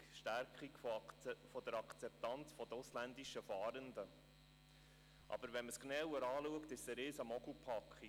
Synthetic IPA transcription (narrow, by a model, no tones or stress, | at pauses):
ʃtæɾkχiɡ | fɔd̥̪əɾɑkt͡sɛp̚t̪ɑnt͡sfɔd̥̪əʊslænd̪iʃəfɑːɾənd̪ə | ʔɑ̰b̥əɾʋɛnməsknɛwəɾɑːluəkt̪ɪsəɾɪsəmɔɡl̩pʰɑkχi